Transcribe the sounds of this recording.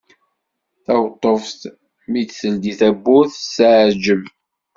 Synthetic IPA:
θæwt̪ˤːofθ | mid̪θəld̪iθæbːuθsaʕd͡ʒəm

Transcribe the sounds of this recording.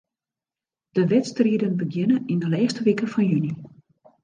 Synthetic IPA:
d̥əʋɛtstriədənbəɡjɪnəindəlɛːxstəʋikəfɔnjyni

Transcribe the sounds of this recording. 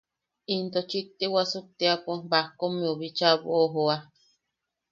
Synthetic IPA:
int̪ot͡ʃit̪ːewasuk̚t̪eapubahkomiuβit͡ʃaβṵoɦoa

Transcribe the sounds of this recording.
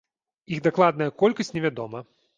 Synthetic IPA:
iɣd̪aklˠad̪̚nɐjɐkɔlʲkɐsʲtʲnʲɛvʲad̪ɔmɐ

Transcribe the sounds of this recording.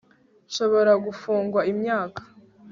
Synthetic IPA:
ʃo̞βo̞ɾaɡufuːŋɡwaimɲaːkḁ

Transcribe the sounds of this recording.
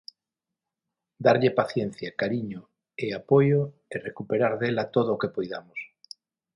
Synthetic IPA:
d̪aɾʎepaθjenθjakaɾiɲo | eapojo | erekupeɾaɾðelat̪oðoːkepojða̰mos

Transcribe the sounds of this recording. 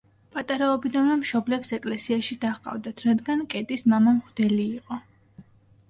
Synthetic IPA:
pʼat̪ʼaɾaɔbid̪anvɛmʃɔblɛpsɛkʼlɛsiaʃid̪aχqʼa̰vd̪at̪ʰɾad̪ɡankʼɛt̪ʼismamamχd̪ɛliːqʼɔ

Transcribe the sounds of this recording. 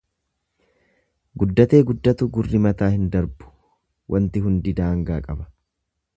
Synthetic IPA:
ɡʊd̪ːɐt̪e̞ːɡʊd̪ːɐt̪ʊɡʊrːɪmɐt̪aːhɪnd̪ɐɾbʊ̥ | wʔɐnt̪ɪɦʊnd̪ɪd̪aːŋɡaːkʼɐbɐ̥

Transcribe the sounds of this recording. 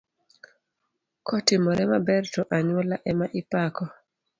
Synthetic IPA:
kʰɔtɪmɔɾɛmabɛrtɔʔaɲwɔlaʔɛmaʔɪpakɔ

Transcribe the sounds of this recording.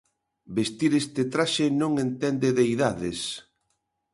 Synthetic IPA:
best̪iɾest̪et̪ɾaʃenõŋent̪ɛnd̪eðejðaðes

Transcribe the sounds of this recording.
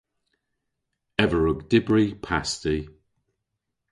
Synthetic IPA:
ɛvəɹʊɡdɪbɹipʰasti

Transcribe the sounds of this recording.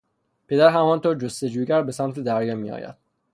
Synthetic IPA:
pʰe̞d̪æɾɦæmɒːnt̪ʰoːɾd͡ʒost̪e̞d͡ʒuːɟæɾbe̞sæmt̪ʰed̪æɾjɒːmḭːɒ̰ːjæ̰d̪̥

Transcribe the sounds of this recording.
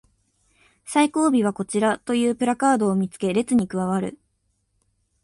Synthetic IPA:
saiko̞ːbʲiβ̞ako̞t͡ɕiɾat̪o̞jɯ̟ːpɯ̟ɾakaːd̪o̞ːmʲit͡sɨ̥ke̞ɾe̞t͡sɨɲ̟ikɯ̟βaβ̞aɾɯ̟̰

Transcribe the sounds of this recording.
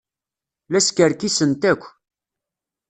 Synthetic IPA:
læskəɾkisənt̪ækʷː

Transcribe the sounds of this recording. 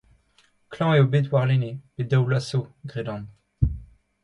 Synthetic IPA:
klɑ̃eobet̪waʁleneb̥ed̪awlasoɡʁed̪ɑ̃

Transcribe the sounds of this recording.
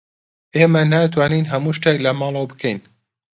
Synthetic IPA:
ʔeːmɐnaːt̪ʰwaːniːnɦɐmuʃt̪eklɐmɑːlˠɐwbɨkʰɛjn

